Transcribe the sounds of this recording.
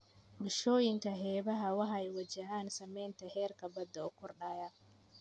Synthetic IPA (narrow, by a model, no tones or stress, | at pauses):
bɪʃɔːjɪŋkʰɐɦɛːβɐɦɐwɑħɛjwɐt͡ʃɐɦaːnsɐmɛjnt̪ʰɐhɛːrkʰɐbɐd̪ːɐʊkʰɔrɖaːjɐ